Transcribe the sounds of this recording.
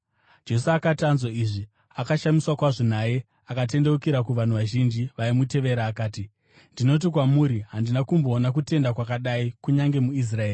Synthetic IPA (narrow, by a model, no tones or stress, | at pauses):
d͡ʒe̞suakatanzoiːʐi | akaʃamiswakwaʐon̤aje̞ | akate̞nde̞ukiɾakuʋan̤uʋaʒind͡ʒiʋaimute̞ʋe̞ɾaːkaːti | ndino̞t̬ik̬wamuɾiɦandinakumbo̞ːnak̬ute̞ndakwakaɗaikuɲaŋɡe̞muis̬raeri